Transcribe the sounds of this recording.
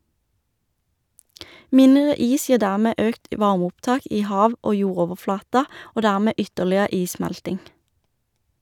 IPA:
ˈmɪnʁə ˈiːs ˈjiːʁ ˈdæʁmeː ˈøːkt ˈʋɑʁmʊpˌtɑːk ˈiː ˈhɑːʋ ˈoː ˈjuːʁoːʋəˌflɑːtɑ ˈoː ˈdæʁmeː ˈʏtəʁlɪə ˈiːˌsmɛltɪŋ

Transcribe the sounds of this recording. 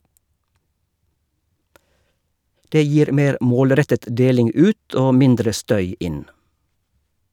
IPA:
ˈdeː ˈjiːɾ ˈmeːɾ ˈmoːlˌɾɛtət ˈdeːlɪŋ ˈʉːt ˈʔoː ˈmɪndɾə ˈstœʏ ˈɪn

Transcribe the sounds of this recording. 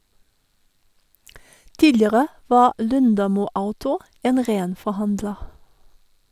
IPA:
ˈtiːlɪəʁə ˈʋɑː ˈlʉndɑmuː ˈaʊtʊ ˈeːn ˈʁeːn fɔˈhɑndlə

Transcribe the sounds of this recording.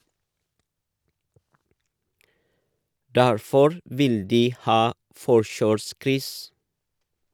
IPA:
ˈdæɾfɔɾ ˈʋɪl ˈdiː ˈhɑː ˈfɔʃøːˌskɾʏs

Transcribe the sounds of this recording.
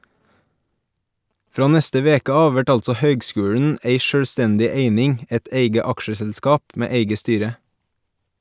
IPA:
ˈfɾɑː ˈnɛstə ˈʋeːkə ˈɑːʋ ˈʋæʈ ˈɑlsɔ ˈhœʏɡˌskʉːɽɳ̩ ˈeɪ ˈʃøːˌstɛndɪ ˈeɪnɪŋ ˈɛt ˈeɪɡə ˈɑkʃəsɛlˌskɑːp ˈmeː ˈeɪɡə ˈstyːɾə

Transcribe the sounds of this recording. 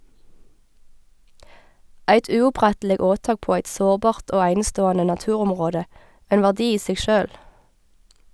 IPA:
ˈæɪt ʉːʊˈpʁɛtl̩ɪ ˈoːˌtɑːk ˈpoː ˈæɪt ˈsoːʁˌbɑːʁt ˈʔoː ˈæɪnəˌstoːɑnə nɑˈtʉːˌʁɔmʁoːdə ˈʔæɪn ˈʋæːʁdɪ ˈiː ˈseːɡ ˈʃøːl

